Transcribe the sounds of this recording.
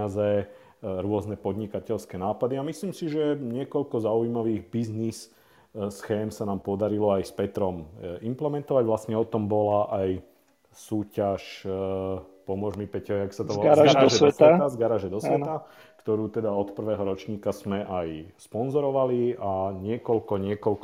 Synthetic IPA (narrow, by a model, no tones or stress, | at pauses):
azɛ | ɾʊɔznɛpɔd̪ɲikacɛlskɛnaːpad̪iamisliːmsiʒɛɲɪɛkɔʎkɔzaujmaʋiːɣbiznis | sxɛːmsanaːmpɔd̪aɾilɔajspɛt̪ɾɔmimplɛmɛnt̪ɔʋaɟʋlastɲɛɔt̪ɔmbɔlaʔaj | suːcaʃ | pɔmʊɔʒmipɛcɔɛaksat̪ɔɔaɾaaaɔɛdʋɛst̪aɛazɡaɾaːʒɛd̪ɔsʋɛt̪a | kt̪ɔɾuːt̪ɛd̪aɔt̪pr̩ʋɛːɦɔɾɔt͡ʃɲiːkazmɛʔajspɔnzɔɾɔʋaliaɲɪɛkɔʎkɔɲɪɛkɔlk